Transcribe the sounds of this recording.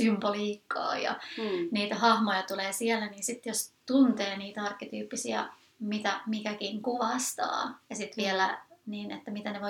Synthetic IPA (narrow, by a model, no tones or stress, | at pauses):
symboliːkːɑ̰ːjɑ̰niːt̪æhɑhmojɑt̪uleːsiɛlːæniːnsit̪ːjost̪unt̪eːniːt̪ɑrkːet̪yːpːisiɑ̰ | mit̪æmikækiŋkuʋɑst̪ɑ̰ːjɑsit̪ʋiɛlæniːnḛt̪ːæmit̪æneʋo